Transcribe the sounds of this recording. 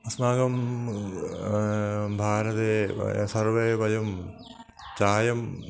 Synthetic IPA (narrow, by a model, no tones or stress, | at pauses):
ɐsnaːɡɐm | bʱaːɾɐðḛsɐrʋebʱɐjɐm | t͡ɕaːjɐm